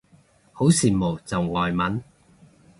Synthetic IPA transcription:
ho˨˥wsiː˨˩mo˨˩wt͡sɐ˨wŋɔː˨jmɐ˨˥n

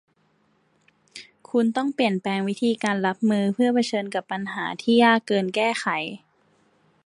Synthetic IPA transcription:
kʰu˧nt̪ɔ˥˩ŋpli˨˩ənpɛː˧ŋwi˦˥t̪ʰiː˧kaː˧nla˦˥p̚mɯː˧pʰɯ˥˩ɐpʰa˧t͡ɕʰɤː˧nka˧˩˦pːa˧nɦaː˩˦t̪ʰiː˥˩jaː˥˩kːɤː˧nkɛː˥˩xa˩˦j

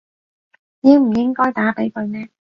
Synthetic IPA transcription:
jɪ˥ŋm̩˨˩jɪ˥ŋkɔː˥jt̪aː˨˥pe˨˥jkɵ˧ɥmɛː˥

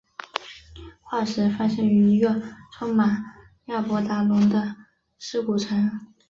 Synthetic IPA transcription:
xwa˥˩ʂɻ̩˧˥fa˥ɕɛ˥˩ŋy˧˥i˧˥ɡə˧ʈ͡ʂʰʊ˥ŋma˨˩n | ja˥˩pwɔ˧˥t̪a˧˥lə˧˥ŋd̪ə˧ | ʂɻ̩˥˩ku˨˩ʈ͡ʂʰə˧˥n

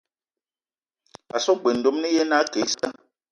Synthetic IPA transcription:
a˨sɔ˦ɡ͡be˨n̩˨do˦mnɛ˦je˦na˦ke˨˦sa˦

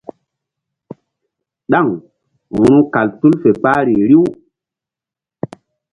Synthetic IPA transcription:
ɗa˦˨ŋ | hu˨ɾu˦ka˨ltu˦lfe˨k͡pa˦ɾi˨ɾi˦w

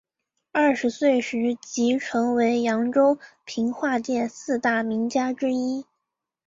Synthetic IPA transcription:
ɐ˥˩ʂɻ̩˧˥swe˥˩ɪʂɻ̩˧˥t͡ɕi˧˥ʈ͡ʂʰɤ˧˥ŋwe˧˥ɪjɑ˧˥ŋʈ͡ʂo˥ʊpʰi˧˥ŋxwa˥˧t͡ɕ̪jɛ˥˩nsɹ̩˥˧t̪a˥˩mi˧˥ŋt͡ɕja˥ʈ͡ʂɻ̩˥i˥

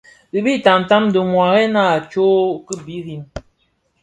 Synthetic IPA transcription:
ɣi˨bi˦˨ta˨n˨ta˦mdə˨mwa˨ɣɛ˦na˦˨t͡ʃo˦kə˦bi˨˦ɣi˦˨n

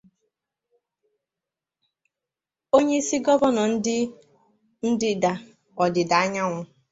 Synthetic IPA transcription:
o˦ɲe˦i˦si˦ɡɔ˦bɔ˦nɔ˨n̩˦dɪ˦ | n̩˦dɪ˦da˨ | ɔ˨dɪ˨da˨a˦ɲa˦ŋʷʊ˦

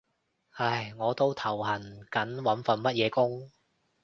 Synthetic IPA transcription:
hɐ˧jŋɔː˨˧t̪o˥wt̪ʰɐ˨˩whɐ˨˩nkɐ˨˥nwɐ˨˥nfɐ˨nmɐ˥t̚jɛː˨˧kʊ˥ŋ

